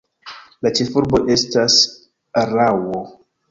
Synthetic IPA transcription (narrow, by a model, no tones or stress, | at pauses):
lat͡ʃe̞fuɾbo̞ʔe̞stas | ɾawo